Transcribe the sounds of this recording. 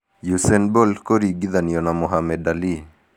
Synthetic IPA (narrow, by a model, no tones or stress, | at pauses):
jusɛnbolkoɾiɡiðanijɔnamɔɦamɛdali